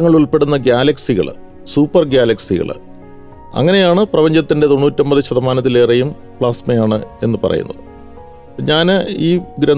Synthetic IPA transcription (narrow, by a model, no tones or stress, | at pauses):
ɐŋːɐɭuɭpe̞ɽunːɐɡjaːlɐksiɣɐ̰ɭ | suːpːɐrɡjaːlɐksiɣɐ̰ɭ | ɐ̰ŋːɐne̞jaːɳɨprɐpɐɲd͡ʑɐt̪ːinde̞t̪o̞nːuːtːombɐðiɕɐðɐmaːnɐt̪ːile̞ːrejum | pɭaːsmɐjaːɳɨe̞̰nːɨpɐ̰rɐ̰jṵnːɐ̰ðɨ | ɲaːnɨiːɡɾɐn